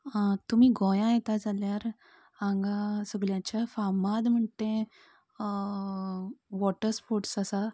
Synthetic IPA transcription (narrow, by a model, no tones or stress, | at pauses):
t̪um̤iːɡɔjãjɛt̪ad͡zʱaljaɾ | ãŋɡasəɡɭjãt͡ɕafamad̪m̤əɳt̪ẽ | ʋɔʈəɾspoɾʈsasa